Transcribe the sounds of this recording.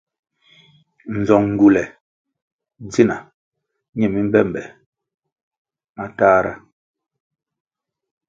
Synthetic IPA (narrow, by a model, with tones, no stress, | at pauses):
n̩˨zɔ˨ŋŋ̩˨ɡu˨lɛ˨˦ | d͡zi˦na˨ | ɲɛ˦˨mi˦m̩˦bɛ˦˨m˨bɛ˨ | a˦taː˦ɾa̰˦